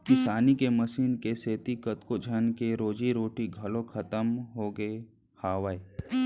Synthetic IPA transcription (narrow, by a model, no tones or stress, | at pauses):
kɪsaːnikemɐsiːnkeseːt̪ikɐt̪kod͡ʒʱɐnkeɾoːd͡ʒiɾoːʈiɡʱɐlokʰɐt̪əmɦoːɡəe | haːʋae